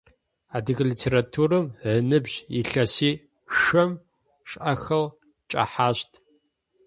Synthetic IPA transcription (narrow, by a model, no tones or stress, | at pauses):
aːdɨɣliːtʰeːɾatʰuːrɨmʕənɨbʑḭɬɐsiː | ʃɐm | ʂʼʔɐxɐl | t͡ʃʼɐ̰ħaːɕtʰ